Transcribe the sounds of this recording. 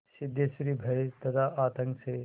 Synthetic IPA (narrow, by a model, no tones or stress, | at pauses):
sɪd̪ʱjesɾibʱɐjt̪ɐt̪ʰaʔaːt̪ɐ̃ŋkse